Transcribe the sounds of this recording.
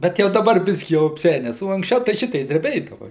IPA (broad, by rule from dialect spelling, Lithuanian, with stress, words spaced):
bʲɛt ˈjɛʊ dɐˈbɐr ˈbʲɪsʲkʲiː jɛʊ ɐpʲˈsʲæːnʲɛs oː ɐŋksʲˈt͡ʃʲɛʊ tɐɪ ˈʃʲɪtʲɛɪ dʲrʲɛˈbʲeːdɐʋɐ